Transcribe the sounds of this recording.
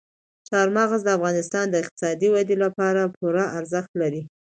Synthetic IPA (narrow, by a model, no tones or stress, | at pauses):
ʃɑɾmɑɣazd̪əafɣɑnɪst̪ɑnd̪əɪq̚t̪ɪ̥sɑd̪iwad̪elapɑɾapʰuɾaʔaɾzəxt̪laɾi